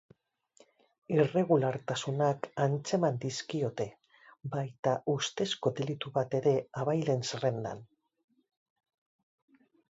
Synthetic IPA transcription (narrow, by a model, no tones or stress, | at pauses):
ire̞ɣulaɾt̪asunakant͡se̞mand̪iskio̞t̪e̞ | bajt̪aʔust̪e̞sko̞d̪e̞lit̪uβat̪e̞ɾe̞aβajle̞nsare̞nd̪a̰n